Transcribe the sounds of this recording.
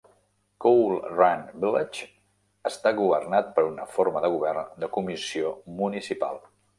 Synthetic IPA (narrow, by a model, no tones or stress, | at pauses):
kowlˠranbilet͡ʃ | əst̪aɣuβərnat̪̚pəɾunəforməðəɣ̞uβ̞ɛrnd̪əkumisiomunisipa̰lˠ